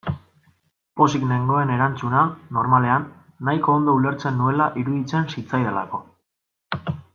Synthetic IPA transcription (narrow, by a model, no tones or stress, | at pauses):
po̞sikne̞ŋɡo̞e̞ne̞ɾant͡sunano̞ɾmale̞anː | ajko̞ːnd̪oule̞ɾt͡se̞nːue̞laʔiɾuðit͡se̞nsit͡sajðela̰ko̞